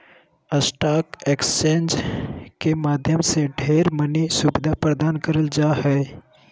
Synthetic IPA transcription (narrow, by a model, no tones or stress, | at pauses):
əsʈaːkekst͡ʃẽːnd͡ʒkemaːd̪ʱjəmseɖʱeːɾmənisʊbɪd̪ʱapɾəd̪aːnkəɾəld͡ʒaːɦɛː